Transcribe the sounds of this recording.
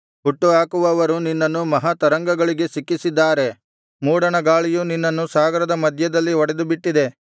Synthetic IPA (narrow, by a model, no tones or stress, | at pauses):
ɦuʈːuɦaːkuʋɐːʋɐɾuninːɐnːumɐɦat̪ɐɾɐŋɡɐɡɐɭiɡe̞sikːisid̪ːaːɾe̞ | muːɽɐɳɐɡaːɭijuninːɐnːusaːɡɐɾɐd̪ɐmɐd̪ʱjɐd̪ɐlːiɔɽed̪ubiʈːid̪e̞